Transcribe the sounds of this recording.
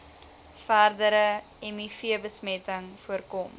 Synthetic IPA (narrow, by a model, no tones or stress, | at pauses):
færdəɾə | ɛmifiəbəsmɛtəŋfuərkɔm